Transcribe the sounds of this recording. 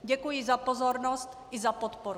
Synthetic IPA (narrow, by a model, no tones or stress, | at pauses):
ɟɛkujɪzapozoɾnost̪ʔɪzapot̪poɾu